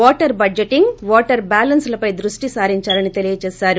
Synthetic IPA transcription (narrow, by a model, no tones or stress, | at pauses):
ɔːʈɐɾbɐeʈiŋɡʋɔːʈɐɾbaːlɐnslɐpɐjd̪ɾuʂʈisaːɾiɲt͡ʃaːlɐnit̪e̞lijɐt͡ʃɛːsaːɾu